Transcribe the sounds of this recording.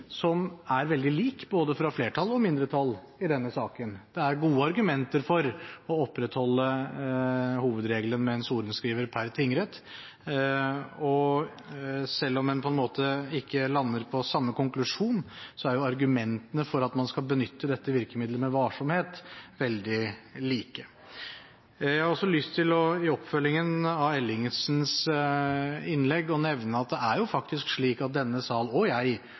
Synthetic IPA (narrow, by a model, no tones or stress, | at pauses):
sɔmæɾʋɛld̪ɪliːkboːd̪əfɾɑfleːʈʰɑlːɔmɪnd̪ɾət̪ʰɑl | ɪd̪ɛnːəsɑːkənd̪̥ɛæɾɡuːəɑɾɡʉmɛnt̪əɾfɔɾɔɔpːɾɛt̪hɔlːə | huːʋəd̪ɾeːɡlənmɛɛnsuːɾənskɾiːʋəɾpʰæɾt̪ʰɪŋɾɛt̪ | ɔ | sɛlːɔmɛnpʰɔɛnmoːt̪əɪkːəlɑnːəɾpʰɔsɑmːəkʊŋklʉʂuːnsɔæɾjʊɑɾɡʉmɛnt̪ənəfɔɾɑt̪mɑnskɑlbənʏt̪ːəd̪ɛt̪ːəʋɪɾkəmɪd̪ləɾmɛʋɑʂɔmheːt̪ʋɛld̪ɪliːkə | jæhɑɾɔsːɔlʏst̪ʰɪlɔɪɔpːfœlːɪŋənɑʋɛlɪŋəsns | ɪnːlɛɡːɔnɛʋnəɑt̪̚d̪ɛæɾjʊfɑkt̪ɪskʂɭiːkɑt̪̚d̪ɛnːəsɑːlɔjæɪ